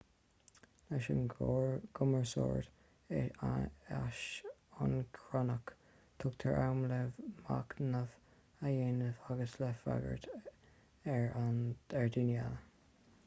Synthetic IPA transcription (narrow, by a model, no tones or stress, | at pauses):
laʃənɡ̥ʊməɹso̰ːɹd̪ | aʃʊnkʰɹɔnək | t̪ʰʊk̚t̪ʰəɹʔawmləvma̰knəv | ajeːnəvaɡəslɛfa̰ɡə̰ɹt̪ | ɛɹanɛɹd̪injɛlə